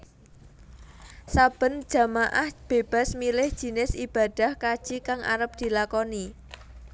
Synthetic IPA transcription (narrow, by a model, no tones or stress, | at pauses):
sab̥ə̤nd̥ʒ̥a̤maʔahb̥e̤b̥a̤smilɪhd̥ʒ̥i̤nɪsib̥a̤d̥a̤hkad̥ʒ̥ikaŋa̰ɾəp̚d̪̥i̤lakɔni